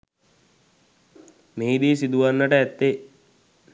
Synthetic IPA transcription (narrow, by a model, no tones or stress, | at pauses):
meid̪iːsid̪uʋanːəʈəæt̪ːe